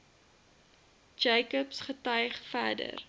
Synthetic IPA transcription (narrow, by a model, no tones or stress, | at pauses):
d͡ʒɛjkəpsχətœɥχfæːdə̰r